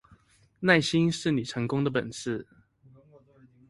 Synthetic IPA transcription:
na˥˨ɪɕi˦˥nʂɻ̩˥˩ni˨˩ʈ͡ʂʰɤ˧˦ŋkʊ˦ŋd̪ə˨p̬ə˨˩ns̩˥˩

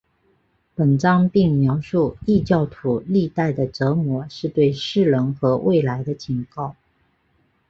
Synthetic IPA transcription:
pə˨˩nʈ͡ʂɑ˥ŋpi˥˩ŋmjɑ˧˥ʊʂu˥˩i˥˧t͡ɕjɑ˥˩ʊt̪ʰu˨˩li˥˧t̪a˥˩ɪd̪ə˩ʈ͡ʂɤ˧˥mwɔ˧˥ʂɻ̩˥˧t̪we˥˧ɪʂɻ̩˥˩lɤ˧˥ŋxɤ˧˥wʔe˥˩ɪla˧˥ɪd̪ə˧t͡ɕʰi˧˥ŋkɑ˥˩ʊ

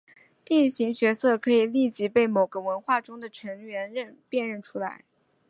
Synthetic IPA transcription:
t̪i˥˩nɕi˧˥ŋt͡ɕɥɛ˧˥sɤ˥˩kʰɤ˧˥i˨˩li˥˩t͡ɕi˧˥pe˥˩ɪmo˨˩ʊɡə˦wə˧˥nxwa˥˩ʈ͡ʂʊ˥ŋd̪ə˨ʈ͡ʂʰɤ˧˥ŋɥɛ˧˥nɻə˥˧npjɛ˥˧nɻə˥˩nʈ͡ʂʰu˥la˧˥ɪ

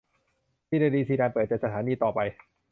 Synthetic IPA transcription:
t̪ʰiː˥˩daː˥˧˩ɾiː˧sʰiː˧daː˧npɤː˨˩t̪̚t͡ɕa˨˩t̚sa˧t̪ʰaː˩˦niː˧t̪ɔː˨˩pa˧j

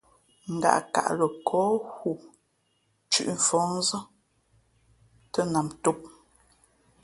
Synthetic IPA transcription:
ŋ̩˨ɡa̰˨ʔka̰˨ʔlə˨kʰɔː˨˦hu˨ | t͡ʃʉ̰˦ʔɱ̩˨fɔ˨˦n̩˦zə˦ | tə˦na˨mtu˦p̚

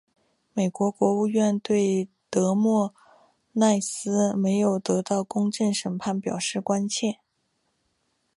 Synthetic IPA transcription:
me˨˩ɪkwɔ˧˥kwɔ˧˥u˥˧ɥɛ˥˧nt̪we˥˩ɪ | t̪ɤ˧˥mwɔ˥˩ | na˥˩ɪsɹ̩˥me˧˥ɪjo˨˩ʊt̪ɤ˧˥t̪ɑ˥˩ʊkʊ˥ŋʈ͡ʂə˥˩ŋʂə˨˩npʰa˥˩npjɑ˨˩ʊʂɻ̩˥˩kwa˥nt͡ɕʰjɛ˥˩n

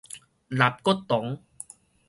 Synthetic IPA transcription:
la˨˦p̚kɔ˦t̪ːɔ˨˦ŋ

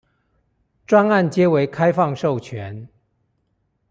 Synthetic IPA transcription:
ʈ͡ʂwa˥na˥˨nt͡ɕjɛ˦we˧˦ɪkʰa˦ɪfɑ˥˨ŋʂo˥˨˩ʊt͡ɕʰɥɛ˨˦n

